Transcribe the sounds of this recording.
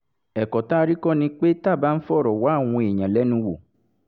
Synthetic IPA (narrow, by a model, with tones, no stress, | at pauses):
ɛ˨kɔ˨ta˦˧ɾi˦kɔ˦˨nĩ˧k͡pe˦ta˦˨ba˨˦n̩˦fɔ˦˨ɾɔ˨wa˨˦˨w̃ɔ̃˧e˨ɲã˨lɛ˨˦nũ˧wo˨